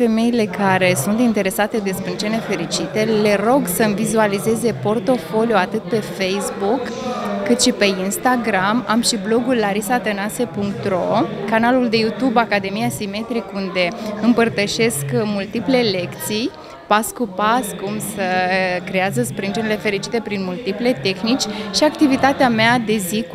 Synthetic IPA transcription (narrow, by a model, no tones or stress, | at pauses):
fe̞me̞ile̞kʰaɾe̞sunt̪int̪e̞ɾe̞sat̪e̞d̪e̞spɾint͡ʃe̞nefe̞ɾit͡ʃit̪e̞le̞ɾo̞ɡsəɨmvizualize̞ze̞po̞rt̪o̞fo̞lijuat̪ɨt̪̚pe̞fe̞jsbukː | ɨt̪ʃipe̞inst̪aɡɾamamʃiblo̞ɡulːaɾisat̪ənase̞puŋkt̪ɾo̞kanaluld̪e̞jut̪ubakad̪e̞mijasime̞t̪ɾikund̪e̞ɨmpərt̪əʃe̞skmult̪iple̞le̞kt̪sij | paskupaskumsəkɾeazəspɾind͡ʒenile̞fe̞ɾit͡ʃi̥t̪e̞pɾinmult̪iple̞t̪e̞xnit͡ʃʲʃiakt̪ivit̪at̪eamead̪e̞zi